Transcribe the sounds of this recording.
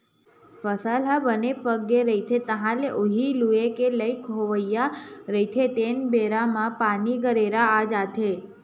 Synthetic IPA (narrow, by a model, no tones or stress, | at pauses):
fəsalɦabənepəɡːeɾəit̪ʰet̪əɦãleʔoɦiluekeləjkɦoʋəjaɾəit̪ʰet̪enbeɾamãpaniɡəɾeɾaːd͡ʒat̪ʰe